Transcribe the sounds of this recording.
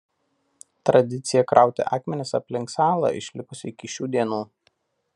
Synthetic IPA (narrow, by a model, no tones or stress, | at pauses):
t̪ɾɐd̪ʲɪt̪sʲɪjɛkɾʔɑˑʊt̪ʲɛ̰ʔɑːkmʲɛnʲɪsɐ̰pʲlʲɪŋksɑːlˠɑ̰ɪ̰ʃʲlʲɪkʊsʲɪkʲɪʃʲuːd̪ʲiɛnuː